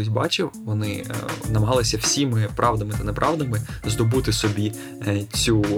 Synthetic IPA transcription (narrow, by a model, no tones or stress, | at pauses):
ɪzʲbɑt͡ʃɪwʋɔnɪnɐmɐɦɑlˠɪsʲɐw̥sʲimɪpɾʔɑʋd̪ɐmɪt̪ɐnɛpɾʔɑʋd̪ɐmɪzd̪ɔbut̪ɪsɔbʲi | t͡sʲu